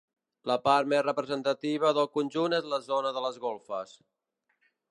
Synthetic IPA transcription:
ləpaɾt̪mezrəpɾəzənt̪ət̪iβ̞əðəlˠkunʲʒunezləzonəðələzɣolˠfəs

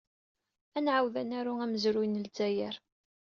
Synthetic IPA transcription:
ænʕawðænæɾuæməzɾʊjnəlt͡sːæjəɾ

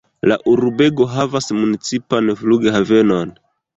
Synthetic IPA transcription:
la̰ʔuɾubeɡo̞ɦavasmunit͡sipanfluɡeɦave̞non

